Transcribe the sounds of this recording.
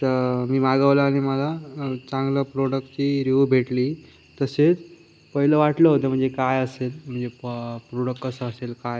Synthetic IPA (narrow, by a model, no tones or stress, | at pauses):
t̪əɾmiːmaɡəʋlaːɽ̃iməlat͡sãŋɡləpɾoɽəkʈt͡ɕiːɾuʋbʱeʈliː | t̪əset͡s | pəɦiləʋaʈləɦot̪əm̤əɳd͡zekajəselm̤əɳd͡zepɾoɽəkːəsəəselkaj